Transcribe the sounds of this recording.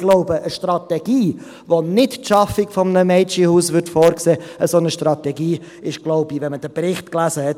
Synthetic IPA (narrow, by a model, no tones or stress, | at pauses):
ɡ̥loʊbəʔəʃtrɑtɛɡiː | vonɪttʃɑfɪkfɔmnəmɛɪt͡ʃihuːsvʏɾtfoːɾkseːəsonəʃtrɑtɛɡiː | ɪʃɡ̥loʊbivɛnməd̥əbrɪχtklæːzəhɛt